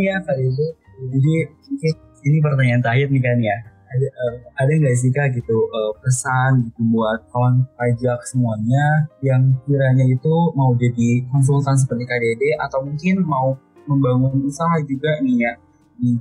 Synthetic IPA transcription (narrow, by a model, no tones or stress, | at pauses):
jakadede | d͡ʒadimuŋkɪn | inip̬ərt̪aɲaːnt̪aɦɪt̪̚nikanja | adaʔəmadaŋɡas̬ikaɡit̪uʔəpəsaniəbuat̪̚kawanpad͡ʒak̚səmuaɲajaŋkiɾaɲait̪umaud͡ʒadikɔns̬ult̪ans̬əpərt̪ikadedeʔat̪awmuŋkɪnmau | məmbaŋunusaɦad͡ʒuɡanija | ni